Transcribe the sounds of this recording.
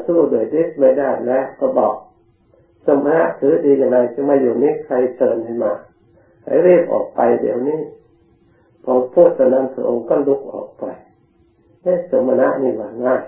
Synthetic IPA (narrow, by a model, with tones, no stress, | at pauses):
suː˧˩du˧˩ə˨jdi˦˥s̚ma˧˩jdaː˧˩jlɛː˦˥kɔː˧˩bɔ̰ː˨˩k̚ | so˧˦ma˧na̰˦˧˥ʔt̪ʰɯː˨˦diː˧ja˧˩ŋːa˧jsa˧˦maː˧˨juː˨˩niː˦˥˨kʰa˧jsɤː˧˩ntʰa˧jmaː˧ | ha̰˧˩jɾiː˥˩p̚ʔɔ̰ː˨˩k̚pa˧jdḭ˨˧˩ə˨wniː˧˥˨ | pʰɔː˧pʰuː˧˥˩t̪̚sa˧na˧˨npʰa˧˦ʔo˧ŋkɔ˧˥˨nlu˧˥k̚ʔɔ̰ː˨˩k̚pɔ˨˧˩j | na˧˥˨so˧˦mːa˧na˦˥ʔniː˧˩waː˧ŋaː˧˩j